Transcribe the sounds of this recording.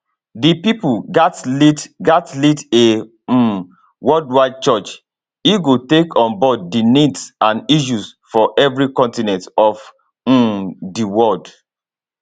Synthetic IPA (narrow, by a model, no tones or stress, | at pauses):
dipipuɡatlidɡatlide | wɔldwaɪd̚t͡ʃɔt͡ʃ | iɡotekʰɔ̃nbɔdːinidsãniʃ̬usfɔʔɛvɹikɔ̃ntinɛ̃ntɔf̩ | diwɔld